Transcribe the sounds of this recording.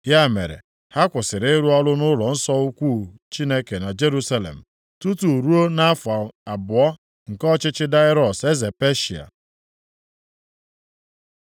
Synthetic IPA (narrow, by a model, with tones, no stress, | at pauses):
ja˦˨mḛ˨ɾḛ˨ | ha˦kʷʊ˨sɪ˨ɾɪ˦ɾu˦ɔ˦lʊ˦nʊ˦lɔ˨n̩˦sɔ˦u˦kʷuː˦˨t͡ʃi˦ne˦ke˨na˨d͡ʒe˦ɾu˦sa˦lḛ˨m̩˨ | tu˦tu˨ɾu˦o˦na˦fa˨a˨bʊ˨ɔ˦ | ŋ̩˨kɔ˦t͡ʃɪ˦t͡ʃɪ˦da˦ɪ˦ɾɔ˨se˦ze˨pe˦ʃi˨a̰˨